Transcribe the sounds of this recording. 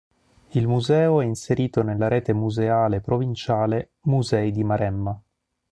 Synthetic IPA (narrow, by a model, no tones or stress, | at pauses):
ilmuzɛːoɛinseɾiːt̪onelːaɾeːt̪emuzeaːlepɾovint͡ʃaːle | muzɛid̪imaɾɛmːa